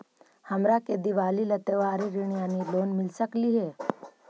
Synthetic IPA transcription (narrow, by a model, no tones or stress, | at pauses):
hɐmɾaked̪ɪʋaːlilɐt̪eʋaːɾiɾiɳ̃ijaːniloːnmɪlsəkliɦɛː